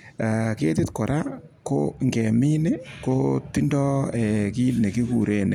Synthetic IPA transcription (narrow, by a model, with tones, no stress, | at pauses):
a˨ke˦ti˦tkɔ˨ɾʔa˦ko̰˦ŋɡɛ˨mi˦ne˦ko˦ti˦ndɔ˦e˨ki˦lne˨ki˦ku˨ɾe˦nḛ˨